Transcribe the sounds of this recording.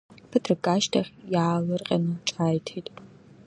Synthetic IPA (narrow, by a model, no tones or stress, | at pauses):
pʰɨtʰrɨɡaːʃtʰɐxjalɐrqʲʼɐ̰nɨt͡ʃʼaːjtʰejtʼ